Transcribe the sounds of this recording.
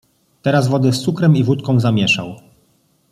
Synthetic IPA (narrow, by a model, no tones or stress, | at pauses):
t̪ɛɾazvɔd̪ɘst̪sukɾɛmivut̪kɔ̃zamʲjɛʂa̰w